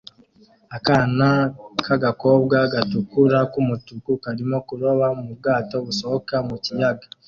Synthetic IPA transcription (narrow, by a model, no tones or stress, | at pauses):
akanakʰaɡako̞b̚ɡaɡatukuɾakumutukukaɾimo̞kuɾoβamubɡaːto̞βusokamucijaɡa